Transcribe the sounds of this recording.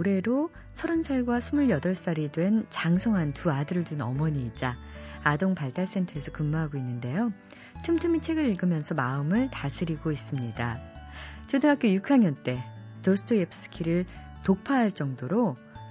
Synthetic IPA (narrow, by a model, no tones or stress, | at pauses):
oɾe̞ɾo | sʰʌɾɯnsʰaɭɡwasʰumuɭjʌdʌɭs͈aɾidwe̞nt͡ɕaŋsʰʌŋɦantuadɯɾɯɭdunʌmʌɲiːd͡ʑaːdoŋpaɭt͈aɭs͈e̞ntʰʌɾe̞sʰʌkɯmmaɦaɡoinːɯnde̞jo | tʰɯmtʰɯmit͡ɕʰe̞ɡɯɾiɭɡɯmjʌnsʰʌmaɯmɯɭtasʰɯɾiɡois͈ɯmɲida | t͡ɕɯdɯŋɦak͈ʰejukʰaŋjʌnt͈e̞tosʰɯ̥tʰoepʰs͈ʰɯ̥kʰiɾɯɭtok̚pʰaɦaɭt͡ɕ͈ʌŋdoɾo